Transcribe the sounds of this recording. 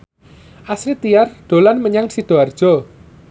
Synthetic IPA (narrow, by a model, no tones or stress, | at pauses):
ʔasɾit̪ijarɖ̪̥o̤lanməɲaŋsiɖ̥o̤ard̥ʒ̥ɔ̤